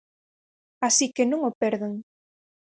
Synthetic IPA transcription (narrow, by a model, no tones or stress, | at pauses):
asikenõŋopɛɾðeŋ